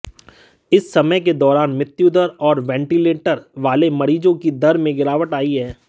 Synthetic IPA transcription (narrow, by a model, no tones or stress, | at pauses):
ɪsːɐməjk̬ed̪ɔːɾaːnmɪt̪ːjud̪əɾɔːɾʋɛ̃ːɳʈileːʈəɾʋaːlemɐɾiːd͡ʒõkid̪ɐɾmẽɡɪɾaːʋəʈaːiɦɛː